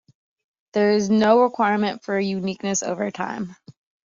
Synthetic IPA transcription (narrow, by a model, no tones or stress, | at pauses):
ðə˞ɪznoʊɹɪkʰw̥aɪɹmɨ̃ntfə˞jʉnik̚nɨso̰ʊvə˞tʰã̰ɪ̃m